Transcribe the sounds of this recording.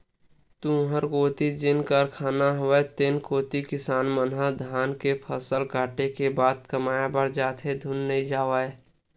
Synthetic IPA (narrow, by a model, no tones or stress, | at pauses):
t̪ũɦəɾkoːt̪id͡ʒɪnkəɾkʰaːnaɦʊʋət̪enkoːt̪ikɪsaːnmənɦad̪ʱaːnkepʰəsəlkaːʈekebaːd̪̚kəmaːjabəɾd͡ʒaːt̪ʰɦed̪ʱʊnːəĩd͡ʒaːʋəe